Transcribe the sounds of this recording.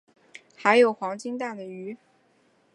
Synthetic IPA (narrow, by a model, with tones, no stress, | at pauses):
xa˧˥ɪjo˨˩ʊxwɑ˧˥ŋt͡ɕi˥ŋt̪̬a˥˩d̪ə˩y˧˥